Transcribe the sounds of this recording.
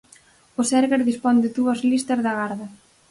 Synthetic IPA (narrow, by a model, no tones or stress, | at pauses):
ʊsɛɾɣeɾðispond̪ɪðuɐzlist̪ɐzðɐɣaɾðɐ